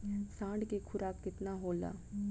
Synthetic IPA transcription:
sãːɳɖkekʰʊɾaːkːɪt̪naɦoːla̰ː

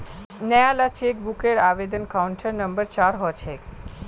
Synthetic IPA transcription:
nɛjalat͡ʃek̚bukeɽaʋed̪ənkauɳʈʰəɾnəmbəɾt͡ʃaɾɦɔjt͡ʃʰe

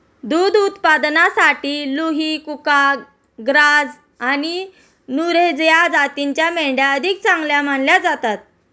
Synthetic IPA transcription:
d̪ud̪ut̪pad̪nasaʈiːluɦiːkuka | ɡɾad͡z | ani | nuɾed͡zjad͡zat̪iɲt͡ɕjameɖjaəd̪ʱik̚t͡sãŋɡljam̤aɳljad͡zat̪at̪̚

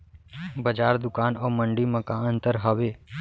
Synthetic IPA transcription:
bəd͡ʒaːɾd̪ʊkaːnoːməɳɖimə̃kãənt̪əɾɦəʋe

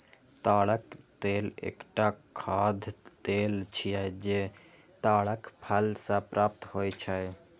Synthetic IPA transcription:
t̪aɽəkt̪elḛːkʈakʰad̪ʱt̪elt͡ʃʰijɛd͡ʒet̪aɽəkpʰəlsãpɾʔaːp̚t̪ɦojt͡ʃʰə

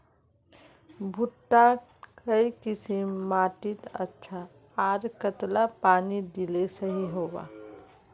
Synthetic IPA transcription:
bʱuʈːa | kəikisimmaʈit̪ə̰tːʃʰa | aɾkət̪lapanid̪ilesəɦiɦoba̰

